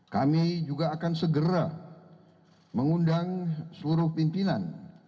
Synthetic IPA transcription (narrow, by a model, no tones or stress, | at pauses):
kamid͡ʒuɡaːkansəɡəɾa | məŋundaŋsəluɾʊhpimpinan